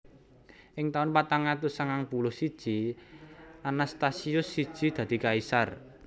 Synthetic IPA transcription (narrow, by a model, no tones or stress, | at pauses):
ʔɪŋt̪aʊnpat̪aŋat̪usaŋaŋpulʊhsid̥ʒ̥i | anast̪asiʊsːid̥ʒ̥i̤d̪̥ä̤d̪̥i̤kaisar